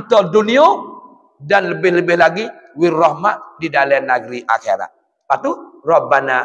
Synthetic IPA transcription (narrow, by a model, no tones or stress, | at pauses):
tɔdunio | danləbɪhləbɪhlaɡi | wirɔhmadidalɛnaɡɾiʔa̰kɛ̰ɾa̰ | paturɔbana